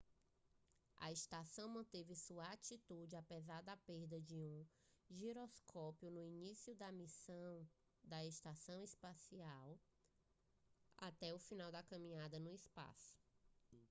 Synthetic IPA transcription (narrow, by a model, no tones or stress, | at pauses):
ɐ̰est̪asɐ̃w̃mɐ̃nt̪evɪsuɐat͡ʃit̪ud͡ʒɪapɛzaɾd̪ɐpeɾd̪ɐd͡ʒɪũ | ʒiɾɔskʰɔpjʊnʊinisiʊd̪ɐmisɐ̃w̃ | d̪ɐest̪asɐ̃w̃ispasiaw | a̰t̪ɛʊfinawd̪ɐkɐ̃mĩɲad̪ɐnʊispa̰sʊ̥